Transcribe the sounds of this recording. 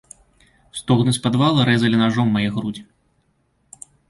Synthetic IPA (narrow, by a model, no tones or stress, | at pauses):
st̪ɔɣnɨsʲpad̪valˠɐɾɛzɐlʲinaʐɔmːajɛɣɾud͡zʲi